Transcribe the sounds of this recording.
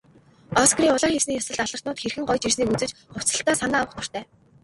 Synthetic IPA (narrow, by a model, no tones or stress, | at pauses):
ɔskriːʊɮaːxewsniːjasə̆ɮt̪aɮə̆rt̪nʊːt̪xerxɘ̆ŋɢɔjt͡ɕirsniːkut͡sɘ̆t͡ɕχʊ̥t͡sə̆ɬt̪aːsanaːwə̆χt̪ʊr̥t̪ʰæː